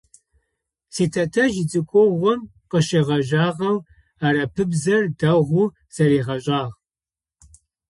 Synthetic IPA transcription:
siːtʰɐtʰɐʒɪd͡zʼɨkʷʰʼɔʁʷɔm | qəɕeːʁɐʒaːʁɐw | aːɾɐpʰɨbzɐrdɐʁʷu | z̥ɐɾiːʁɐɕʼaːʁ

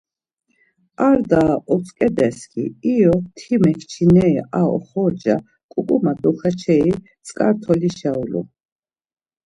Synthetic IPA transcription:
aɾd̪aʔɔt͡sʼkʼɛd̪ɛskʰʼḭijɔt̪ʰimɛkʰt͡ʃʰinɛiʔaɔ̰χɔd͡ʒa | kʼukʼumad̪uχat͡ʃʰɛi | t͡sʼkʼaɾt̪ʰɔliʃaulṵ

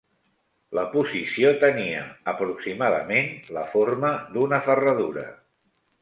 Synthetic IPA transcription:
ləpuzisiot̪əniə̰əpɾuksimaðə̰menləforməd̪unəfərəðuɾə̰

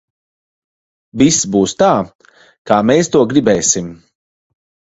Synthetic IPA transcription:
visbuːst̪aː | kaːmeːst̪uɔɡɾibɛːsim

